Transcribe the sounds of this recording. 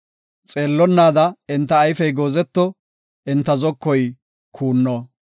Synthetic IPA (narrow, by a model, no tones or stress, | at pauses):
t͡sʼe̞ːlːɔnːaːd̪ɐɪnt̪ːɐːjfɛjɡo̞ːzɛt̪ːɔ | ɪnt̪ːɐzɔkːɔj | kʰuːnːɔ